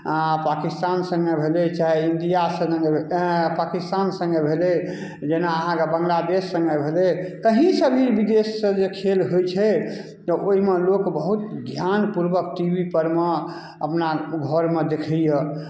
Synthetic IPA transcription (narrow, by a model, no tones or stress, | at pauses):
pakist̪ansə̃ŋɡebʱelet͡ʃaɦeind̪ijasə̃ɡepakist̪ansə̃ŋɡebʱelɛ | d͡ʒenaəɦãkebəŋɡlad̪esːə̃ŋɡebʱelɛkəɦĩsəbʱiɾbid̪esːə̃d͡ʒekʰelɦojt͡ʃʰɛ | t̪ɔʔoɦimelokbəɦut̪ɡʱjanpuɾbək̚ʈibipəɾme | əpnaɡʱɔɾmed̪ekʰɛjə